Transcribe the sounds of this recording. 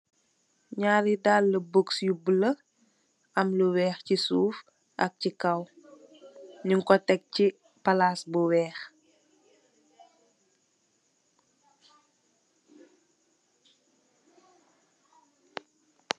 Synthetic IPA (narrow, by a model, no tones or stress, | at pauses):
ɲaːɾidaːlːəbəksjubələ | ʔɐmləwɛːxcisuːf | ʔɐk̚cikɐw | ɲuŋkɔtɛk̚ci | pɐlaːsbuwɛːx